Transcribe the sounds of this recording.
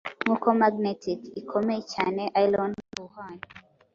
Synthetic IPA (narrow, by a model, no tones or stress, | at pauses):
mukɔmaɡ̚nɛtʰikikʰɔmɛt͡ʃanɛʔajlɔnbuhan